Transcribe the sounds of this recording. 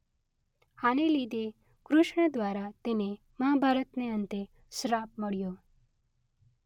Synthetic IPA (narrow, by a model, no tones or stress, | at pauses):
hanelid̪ʱe | kɾʊʃɳəd̪ʋaɾat̪ene | məɦabʱaɾət̪neənt̪e | sɾapməɽjo